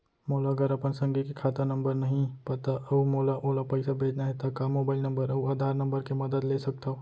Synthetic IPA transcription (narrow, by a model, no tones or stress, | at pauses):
moːlaɡəɾɐpənsɐ̃ŋɡikekʰaːt̪ənɐ̃mbəɾnɐɦĩpɐt̪aʔɐumoːlaʔoːlapɛɪsabʱeːd͡ʒnaɦɛt̪akamoːbaːɪlnɐ̃mbəɾɐuaːd̪ʱaːɾnɐ̃mbəɾkemɐd̪əd̪leːsɐk̚t̪aɦo